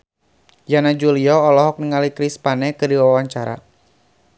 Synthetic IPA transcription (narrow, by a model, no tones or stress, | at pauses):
janad͡ʒuliɔːlɔɦɔk̚niŋalikɾispanɛkɨdiwawaɲt͡ʃaɾa̰